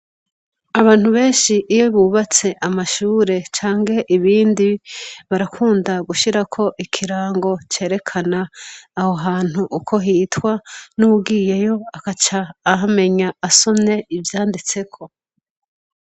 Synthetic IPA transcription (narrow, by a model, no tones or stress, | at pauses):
aβaːn̥huβe̞ːnʃiʔːjoβuːβat͡se̞ʔamaʃuːɾe̞t͡ʃaːŋɡe̞ʔiβiːndiβaɾakʰuːndaɡuʃiɾakʰo̞ʔikʰiɾaːŋɡo̞t͡ʃe̞ːɾe̞kʰanaːho̞ɦaːn̥huʔːkʰo̞ɦitwanuɡiːje̞jo̞akat͡ʃaːɦame̞ɲaːso̞mne̞ivjaːndit͡se̞kʰo̞